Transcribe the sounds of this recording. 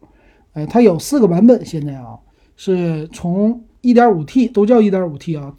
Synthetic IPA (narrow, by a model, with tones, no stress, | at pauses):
a˥˩ɪt̪ʰa˥jo˨˩ʊsɹ̩˥˩ɡə˩pa˧˥npə˨˩˦nɕjɛ˥˧nt͡sa˥˩ɪɐ̰˨˩ | ʂɻ̩˥˩t͡sʰʊ˧˥ŋ | i˥˩t̪jɑ˞˧˥u˨˩t̪ʰi˥˩t̪o˥ʊt͡ɕjɑ˥˧ʊi˥˩t̪jɑ˧˥u˨˩t̪ʰi˥˩ɑ˨˩